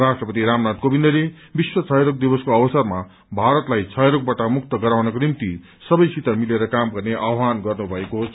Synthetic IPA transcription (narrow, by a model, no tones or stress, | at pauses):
rasʈrʌpʌt̪iɾamnat̪̚kobind̪ʌle | biswʌt͡sʰʌjɾok̚d̪ibʌskoʌbʌsʌrma | bʱaɾʌt̪lajt͡sʰʌjɾok̚baʈʌmukt̪ʌɡʌɾawnʌkonimt̪i | sʌbʌjsit̪amileɾʌkamɡʌrneʔawɦanɡʌrnubʱʌekoɦos